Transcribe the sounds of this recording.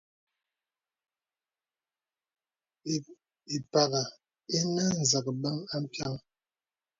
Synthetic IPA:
i˨pa˨ɣa˨ | e˦na˦n̩˨zə˨k̚ba˦ŋa˦m̩˦pja˦ŋ

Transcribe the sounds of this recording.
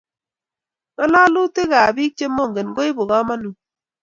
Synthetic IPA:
kɔ˦la˦lu˦te˦ka˨bi˦k̚t͡ʃe˦mo˦˨ŋ˨ɡe˨nɡo˦i˦bo˨ɡa˦ma˦nu˨

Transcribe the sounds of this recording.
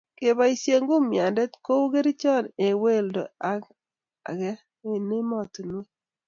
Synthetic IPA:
ke˨ba˨˦i˨sje˨ŋɡo˦mja˨ndɛ˦tko˦wɡe˦ɾi˦t͡ʃɔ˦˨ne˨we˦˨ldo̰˨a˦k | a̰˨ɡɛ˦ | e˦˨ne˦mɔ˨tne˦

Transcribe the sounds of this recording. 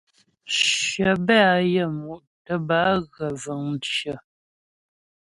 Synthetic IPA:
ʃə˨bɛ˦a˨jə˦˨mu˨ʔ | tə˨ba˨˦ɣə˨və˨ŋt͡ʃə˨

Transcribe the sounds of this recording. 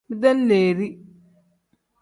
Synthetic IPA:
mi˦d̪a˦n˦leː˨ɾi˦

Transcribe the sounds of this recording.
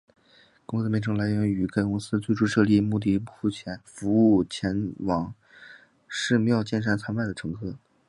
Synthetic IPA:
kʊ˥ŋsɹ̩˥mɛ˥nʈ͡ʂʰɤ˧˥ŋla˧˥ɪɥɛ˧˥ny˨˩ka˥ɪkʊ˥ŋsɹ̩˥t͡swe˥˧ɪʈ͡ʂʰu˥ʂɤ˥˧li˥˧mu˥˧t̪̬i˥˧pu˥˧˩fu˥˩t͡ɕʰjɛ˧˥nfu˧˥u˥˩t͡ɕʰjɛ˧˥nwɑ˧˥ŋ | ʂɻ̩˥˧mjɑ˥˩ʊt͡ɕjɛ˥˩nʂ̬a˥˩nt͡sʰa˥npa˥˩ɪd̪ə˩ʈ͡ʂʰɤ˧˥ŋkʰɤ˥

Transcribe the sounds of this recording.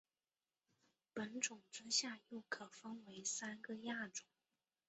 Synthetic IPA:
pə˧˥nʈ͡ʂʊ˨˩ŋt͡s̩˥ɕja˥˧jo˥˩ʊkʰɤ˨˩fə˥ŋwe˧˥ɪsa˥nɡə˧˨ja˥˩ʈ͡ʂʊ˨˩˦

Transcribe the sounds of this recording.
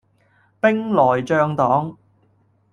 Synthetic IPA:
pɪ˥ŋlɔː˨˩jt͡ʃœː˧ŋt̪ɔː˨˥ŋ

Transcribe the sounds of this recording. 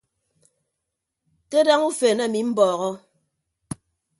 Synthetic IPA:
ke˦da˦ŋu˦fe˨na˦˨mi˨m̩˦bɔː˨ɣɔ˦

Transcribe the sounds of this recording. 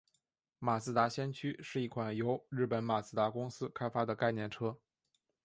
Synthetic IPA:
ma˨˩sɹ̩˥˩t̪a˧˥ɕjɛ˥nt͡ɕʰy˥ʂɻ̩˥˧i˥˩kʰwa˨˩njo˧˥ʊɻɻ̩˥˩pə˨˩˥nma˨˩sɹ̩˥˩t̪a˧˥kʊ˥ŋsɹ̩˥kʰa˥ɪfa˥d̪ə˨ka˥˧ɪnjɛ˥˩nʈ͡ʂʰɤ˥

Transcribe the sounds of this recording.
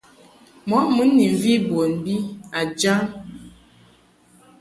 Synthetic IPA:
mɔ˨˦mɨ˨˦nːi˨ɱ˨vi˦bo˨nbi˦a˨d͡ʒa˦n

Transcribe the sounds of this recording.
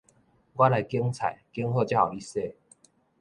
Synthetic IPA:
kwa˦la˨˦jkji˧˦ŋt͡sʰa̰˨˩˦jkji˧˦ŋhɔ˥˧t͡ɕja˥˩xa˨˩i˥˧˨se˥˧˨

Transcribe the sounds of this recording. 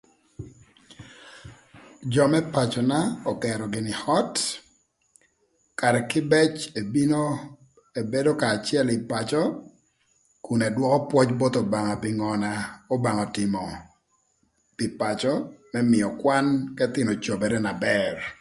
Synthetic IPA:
d͡ʒɔ˨mɛ˦pa˨t͡ʃɔ˨na˦ɔ˨kɛ˨ɾɔ˨ɡɪ˨nɪ˨hɔ˦t | ka˨ɾɛ˨kɪ˦bɛ˦t͡ʃe˨bino | e˨be˦do˦kaː˨t͡ʃjɛ˦lɪ˨pa˨t͡ʃɔ˦ | ku˨nɛ˨dwɔ˦kɔ˦pwɔ˦t͡ʃbɔ˦t̪ɔ˨ba˨ŋa˨pɪ˨ŋɔ˨na˦o˦ba˨ŋɔ˨tɪ˨mɔ˨ | pɪ˨pa˨t͡ʃɔ˦mɛ˦mɪ˨ɔ˨kwa˦nkɛ˦t̪ɪ˨mɔ˨t͡ʃo˨bɛ˨ɾɛ˦na˨bɛr

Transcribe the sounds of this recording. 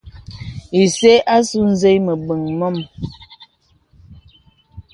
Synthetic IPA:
i˨se˦ʔa˦su˦n̩˦ze˦jmə˨bə˨ŋmɔ˦˨m

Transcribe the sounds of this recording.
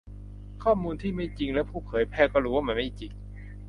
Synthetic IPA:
kʰɔː˥˩muː˧nt̪ʰiː˥˩ma˥˩jt͡ɕi˧ŋlɛ˦˥wpʰuː˥˩pʰɤː˨˩˦jpʰɛː˧˥˩kɔː˥˩ɾuː˦˥wa˥˩ma˧˥˩ma˥˩jt͡ɕi˨˧ŋ

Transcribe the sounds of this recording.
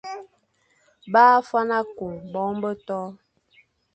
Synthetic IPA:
baː˦fa˦na˦ku˨ŋbɔ˨˦ŋbə˦tɔ˦

